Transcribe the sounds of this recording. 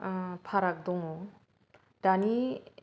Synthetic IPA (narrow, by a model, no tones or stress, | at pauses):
pʰaɾak̚d̪ɔŋɔ | dani